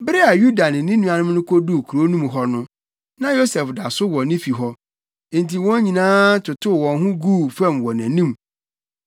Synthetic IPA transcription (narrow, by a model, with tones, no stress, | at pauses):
bɾɪ˦a˨ju˦da˨nɪ̃˨nĩ˦nũ˦a˨nʊ̃˦m˦nʊ̃˦kʰo˦du˦˨kʰu˨ɾo˦nũ˦mɦɔ˦nʊ̃˦ | nã˦jo˦sɛ˨fda˨sʊ˦wɔ̃˨nɪ̃˦fi˨ɦɔ̃˦˨ | nti˨wɔ̃˦ɲĩ˨nãː˦tʰʊ˨tʰʊ˦˨wɔ̃˨nɦʊ̃˦ɡuː˦˨fɛ̃˦˨mwɔ˨næ̃˨nĩ˦˨m